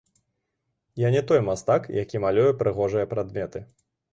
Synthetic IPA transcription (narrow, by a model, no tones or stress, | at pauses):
janʲɛt̪ɔjmast̪akjakʲimalʲujɛpɾɨɣɔʐɨjɐpɾad̪mʲɛt̪ɨ